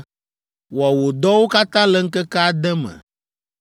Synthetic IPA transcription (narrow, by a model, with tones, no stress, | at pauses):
wa˨wo˨d̪ɔ˦wo˦ka˦t̪ã˦lɛ˦ŋ̩˦kɛ˦ka˦a˦˨d̪ɛ˦mɛ̰̃˨